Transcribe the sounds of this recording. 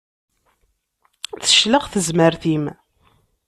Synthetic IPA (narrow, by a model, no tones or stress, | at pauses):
θə̥ʃləʁθəzməɾθim